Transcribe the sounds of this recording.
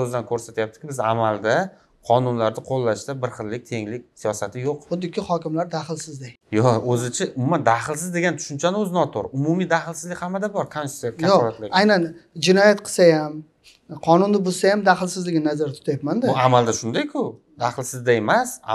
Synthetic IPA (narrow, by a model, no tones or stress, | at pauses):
ɵzɪd̪ankʰɵɾsat̪ʰjap̚t̪ʰɪ̥kʲɪbɪza̰malˠd̪a | qʰɒnʊnlaɾd̪ɪqʰolːaʃt̪abɪɾχɨlːɪk̚ʲt̪ʰe̞ŋlɪkʲsijɒsat̪ʰɪjoqχʊd̪ːɪkʲːɪhɒkʲɪmlaɾd̪aχɪlˠsɪzd̪ej | jɒɵzɪt͡ʃʰɪʊmʊmand̪aχɪlˠsɪzd̪e̞ɡʲant̪ʰʊ̥ʃʊnt͡ʃʰanɪɵzɪnɒt̪ʰoɾʊmʊmijd̪aχɪlˠsɪzlɪkʲhamːad̪abɒɾk̪ʰansaɾkʲʰaoɒlˠat̪lɪɡʲajnand͡ʒɪnɒjat̪qʰɨ̥sajam | qʰɒnʊnd̪ɪbosajamd̪aχɪlˠsɪzlɪɡʲɪnazaɾt̪ʰʊ̥t̪ʰajapmand̪ɪʊamalˠd̪aʃʊnd̪ajkʲʰʊ | d̪aχɨlˠsɪzd̪ae̞masa̰